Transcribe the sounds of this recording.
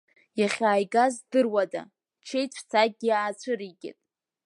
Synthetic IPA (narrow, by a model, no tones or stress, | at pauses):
jaχʲaːjɡazdɨrwada̰ | t͡ʃʰejʷʰt͡sʰaɡ̚ɡʲiaːt͡ɕʷʰɨɾiɡʲɪ̰tʼ